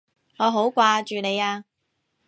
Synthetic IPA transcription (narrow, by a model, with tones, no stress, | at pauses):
ŋɔː˨˧ɦo˨˥wkʷaː˧t͡ʃyː˨ne˨˧jaː˧